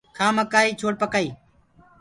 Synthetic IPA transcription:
kʰaːməkaːiːt͡ʃʰoːʈ̚pəkaːiː

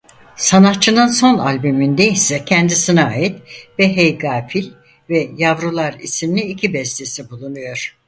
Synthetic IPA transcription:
sanatt͡ʃʰɯnɯnso̞na̰lʲbymind̪eisɛcʰɛnd̪isinaaːjit̪vɛɦejɡaːfilʲ | vɛjavɾulˠaɾisimnʲiicʰibɛsd̪esibulˠunujo̞ɾ̥

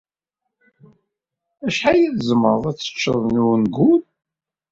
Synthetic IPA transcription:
æʃħajiðzəməðˤæt͡sːə̥t͡ʃːəðˤnuwnɡul

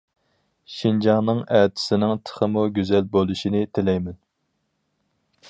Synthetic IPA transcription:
ʃind͡ʒɑŋnɨŋɛt̪ʰɪ̥sɪnɪŋt̪ʰə̥χəmuɡʲyzɛlbolˠuʃinɪt̪ʰɪlɛjmɛn

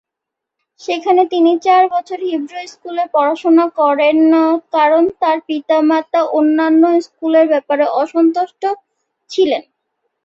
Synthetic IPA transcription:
ʃekʰanet̪init͡ɕaɾbɔt͡ɕʰoɾɦibɾojskuleɾpɔɾaʃonakɔɾenːakaɾont̪aɾpit̪amat̪aʔonːanːoskuleɾbɛpaɾeʔɔʃɔnt̪oʃʈo | t͡ɕʰilen

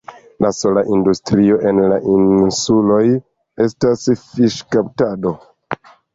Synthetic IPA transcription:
laso̞laʔindustɾio̞ʔe̞nla̰ʔinsulo̞j | e̞stasfiʃkaptado̞

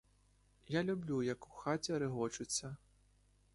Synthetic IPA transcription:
jalʲublʲujɐku̥xat͡sʲɛɾɨɣɔt͡ʂut͡sʲːɐ

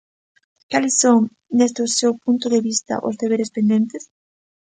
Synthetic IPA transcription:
kalɪsːoŋ | nest̪ʊsewpunt̪ʊðeβist̪ɐ̰ʔʊ̰zðeβeɾespend̪ent̪ɪs

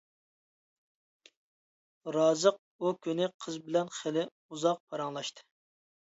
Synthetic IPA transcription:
ɾɑːzəq̚ | ukʲʰynɪqʰəzbɪlɛnχelɪ | uzɑq̚pʰɑɾɑŋlˠɑʃt̪ʰɨ̥

